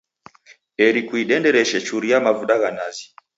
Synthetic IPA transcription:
ɛɾikuiɗɛndɛɾɛʃɛt͡ʃuɾijamavuɗaɣanazi

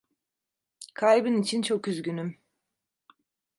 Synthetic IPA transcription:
kʰajbɯnit͡ʃʰint͡ʃʰo̞kyzɟʲynym

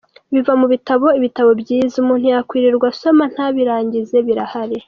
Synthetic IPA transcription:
βivamuβitaβo̞iβitaβo̞bɟiːzaumuːn̥hujakwiːɾiɾɡwaso̞man̥haβiɾaːɲɟize̞βiɾahaɾe

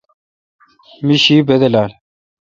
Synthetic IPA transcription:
miɕiːbed̪elaːl

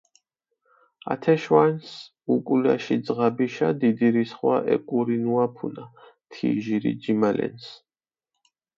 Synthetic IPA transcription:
a̰t̪ʰɛʃwans | ukʼula̰ʃid̪zʁabiʃad̪id̪iɾisχwaʔɛ̰kʼuɾinuapʰunat̪ʰiʒiɾḭd͡ʒimalɛ̰ns

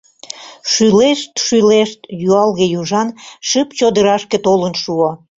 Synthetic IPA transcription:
ʃyleʃt̪ʃyleʃt̪juɑlɣejuʒɑnʃəpt͡ɕod̪əɾɑʃket̪olənʃuo

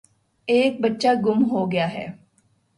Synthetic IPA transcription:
eːk̚bɐtːʃaɡʊmɦoɡɐjaɦɛ̰ː

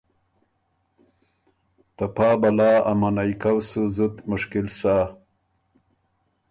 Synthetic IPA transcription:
t̪apaːbɐlaːamanajkawsuzut̪mʊʂkilsaː

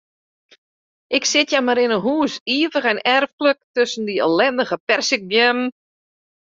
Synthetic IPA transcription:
ʔɪksɪtjamaɾɪnənɦuːsiəvəχɛnɛrfkələk̚tøsəndiə̰lɛndəɣəpɛrsɪk̚bjɛm

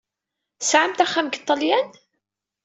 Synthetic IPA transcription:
sʕamt̪æχːæmɡət̪ˤːɑljæn

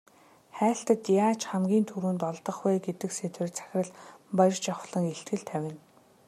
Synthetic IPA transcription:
χæːɬt̪ə̆t̪jaːt͡ɕχamɡʲiːnt̪ʰuɾuːnt̪ɔɮt̪ɞ̆χwæːɡet̪ɘ̆kset̪wɘ̆rt͡sʰæ̥xʲrə̆ɮpaj̆rt͡ɕaχɮə̆ŋeɬt̪ɡɘ̆ɮt̪ʰæwʲɪ̆n

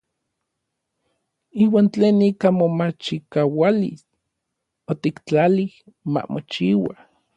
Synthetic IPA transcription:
iːwaːnt͡ɬeːnikamomat͡ʃikawalḭs | ot̪ikt͡ɬalih | ma̰mot͡ʃiwa

